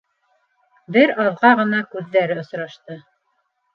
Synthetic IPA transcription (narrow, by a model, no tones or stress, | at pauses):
bɘɾɑðʁɑʁɤ̆nɑkʉðːæɾɘŏsɾɑʃt̪ɤ